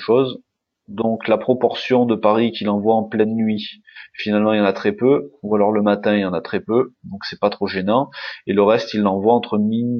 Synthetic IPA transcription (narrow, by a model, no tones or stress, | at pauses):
ʃoz | d̪ɔ̃klapχɔpɔʁsjɔ̃d̪əpaʁikʲilɑ̃vwaɑ̃plɛnːɥi | finalmɑ̃iljɑ̃nat̪χɛpøualɔʁləmat̪ɛ̃iljɑ̃nat̪χɛpød̪ɔ̃ksɛpat̪χoʒenɑ̃eləʁɛst̪ilːɑ̃vwaɑ̃t̪χəmi